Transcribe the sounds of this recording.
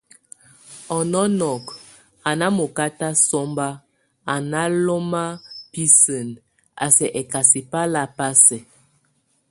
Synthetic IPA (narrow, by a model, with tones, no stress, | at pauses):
ɔ˨nɔ˦nɔ˨k | a˨na˦mo˨ka˦ta˦sɔ˦mba˦ | a˨na˦lo˦ma˦pi˦sə˨n | a̰˨sɛ˨ʔɛ˨ka˨si˨pa˦la˦pa˦sɛ˨